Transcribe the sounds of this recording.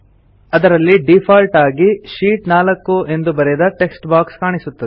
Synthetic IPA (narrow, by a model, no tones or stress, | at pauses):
ɐd̪ɐɾɐlːiɖipʰaːlʈaːɡiʃiːʈnaːlɐkːue̞nd̪ubɐɾɛd̪ɐʈe̞ksʈbaːkskaːɳisut̪ːɐd̪e